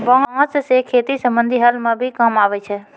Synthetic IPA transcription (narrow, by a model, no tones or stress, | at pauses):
bãːt͡ʃsekʰeːt̪isəmbə̃nd̪ʱiɦəlmãbʱikamaːʋɛt͡ʃʰɛ